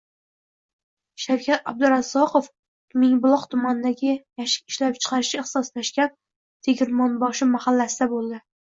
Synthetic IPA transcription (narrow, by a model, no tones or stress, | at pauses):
ʃawkʰʲat̪ab̚d̪ɪɾazːɒqof | mɪŋbʊlˠɒqt̪ʰʊmanɪd̪aɡʲɪjaʃɪ̥ɪʃlap̚t͡ʃʰɨ̥qʰɑɾɪʃɪeht̪sɒst̪aʃkʲan | t̪ʰeɡʲɪɾmɒnbɒʃɪmahalːasɪd̪abolˠd̪ɪ